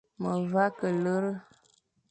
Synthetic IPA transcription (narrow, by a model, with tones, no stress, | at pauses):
mə˨va˦kə˨lə˦ɾə˦